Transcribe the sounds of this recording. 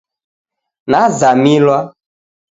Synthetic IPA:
nazamilwa

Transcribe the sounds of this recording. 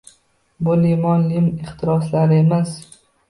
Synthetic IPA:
bʊlimɒnlɪmɪχt̪ʰɪɾɒslaɾɪemas

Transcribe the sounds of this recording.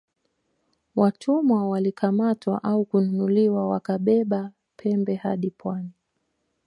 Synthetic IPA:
watʰumwawalikamatwa̰ʔaukununuliwawakaɓɛɓa | pʰɛmbɛha̰ɗipʰwani

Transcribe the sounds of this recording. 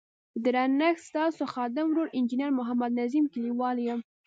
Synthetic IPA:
d̪əɾanaxst̪ɑsoxɑd̪ɪmɾoɾɪnd͡ʒinaɾmʊɦamad̪nazimkɪliwɑljəm

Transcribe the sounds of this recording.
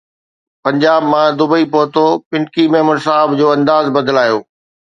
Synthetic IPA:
pɐ̃ɲd͡ʑaːbmãd̪ʊbəipoːt̪opɪ̃ɳkimeːməɾs̬aːɦɪbd͡ʑoːɐ̃nd̪aːzbɐd̪laːjoː

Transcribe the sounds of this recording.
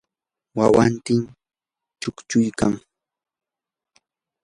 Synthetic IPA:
wawant̪ɪm | t͡ʃʊkt͡ʃʊjkaŋ

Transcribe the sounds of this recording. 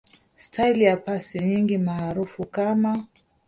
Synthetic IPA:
stʰailijapasiɲiŋɡimaːɾufukama

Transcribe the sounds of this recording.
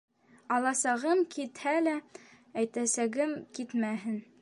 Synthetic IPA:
ɑlˠɑsɑʁɤmkit̪hælæ | æjt̪æsæɡɘmkit̪mæɦɘn

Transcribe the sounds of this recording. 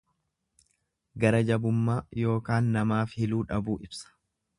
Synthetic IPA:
ɡɐɾɐd͡ʒɐbʊmːaːjo̞ːkaːnːɐmaːfhɪluːᶑɐbuːʔɪbsɐ̥

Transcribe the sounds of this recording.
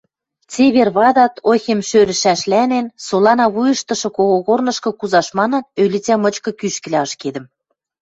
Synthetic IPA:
t͡seβerβɑd̪ɑt̪ʰoxʲemʃøɾɘ̆ʃæʃlænensolɑnɑβujɤ̆ʃt̪ɤ̆ʃɤ̆koɣoɣornɤ̆ʃkɤ̆kuzɑʃmɑnɤ̆nølʲit͡sæmɤ̆t͡ɕkɤ̆kyʃkɘ̆lʲæɤʃked̪ə̆m

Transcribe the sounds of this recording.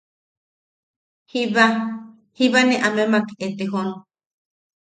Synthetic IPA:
hiβa | hiβanẽʔamemakeet̪eɦon

